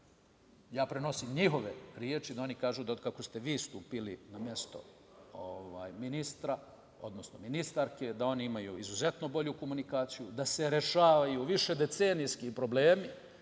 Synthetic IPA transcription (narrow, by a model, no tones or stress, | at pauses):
jaːpɾeno̞simɲiɦo̞ʋe̞ɾjet͡ʃid̪ao̞nikaːʒud̪akakost̪e̞ʋiːst̪uːpilḭnamje̞st̪o̞̰ | oʋa̰ːjminist̪ɾa | o̞̰d̪nosno̞minist̪aɾke̞d̪ao̞niimajuizuze̞t̪no̞bo̞ʎuko̞munikaːt̪sijud̪ase̞ɾe̞ʃaːʋajuʋiʃe̞d̪e̞t̪senijskipɾo̞ble̞ːmi